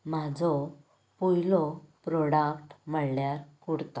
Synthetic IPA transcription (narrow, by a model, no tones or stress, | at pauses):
mad͡zɔ | pujlɔpɾɔɽakʈməɽljaɾkuɽt̪ɔ